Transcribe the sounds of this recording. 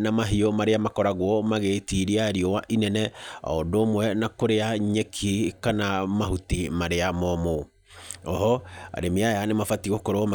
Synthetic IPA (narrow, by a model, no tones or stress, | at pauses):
namaɦiɔmaɾeamakɔɾaɣwɔmaɣetiɾiaɾiɔwaʔinɛnɛa̰ɔdomwɛnakoɾeaɲekʰikanamaɦutimaɾeamɔmo | ɔɦɔa̰ɾemeajanemafatiɣokoɾoɔma